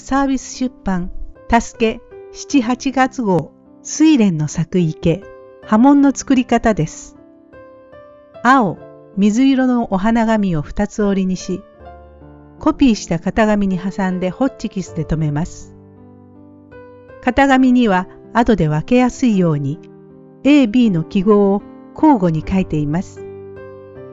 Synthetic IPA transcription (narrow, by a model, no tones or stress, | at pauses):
saːbʲisɨ̥ɕɨpːãnt̪asɨ̥ke̞ɕi̥t͡ɕiɦat͡ɕiɡat͡sɨɡo̞ː | sɨiɾẽ̞nːo̞sakɯ̟ike̞ | hamõ̞nːo̞t͡sɨ̥kɯɾʲikat̪ad̪e̞sɨ̥ | ao | mʲizɨiɾo̞no̞ʔoɦanaɡamʲio̞ɸɯ̥t̪at͡sɨo̞ɾʲiɲ̟iɕi | ko̞pʲiːɕi̥t̪akat̪aɡamʲiɲ̟iɦasãnd̪e̞ho̞tt͡ɕːikʲisɨd̪e̞t̪o̞me̞masɨ̥ | kat̪aɡamʲiɲ̟iβa | at̪o̞d̪e̞βake̞jasɨijo̞ːɲ̟i | e̞ːbʲiːno̞kʲiɡo̞ː | kʰo̞ːɡo̞ɲ̟ikait̪e̞imasɨ̥